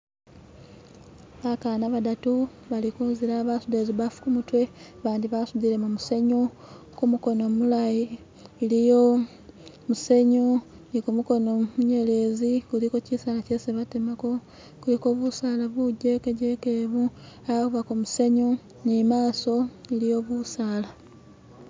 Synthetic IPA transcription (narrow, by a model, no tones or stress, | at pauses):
βakaːnaβadatu | βalikuːnziɾaβasudeziβafu̥kumutwe̞ | βaːndiβasudiɾe̞mumuse̞ɲu | kumuko̞no̞mulajiː | lijo̞ | muse̞ɲu | nikumuko̞nomuɲe̞le̞zikuliko̞cisalaceseβatemako̞ | kuliko̞βusaːlaβuɟe̞keɟekeβu | aβakuβakomuse̞ɲu | nimaːso̞ilijo̞βusaːla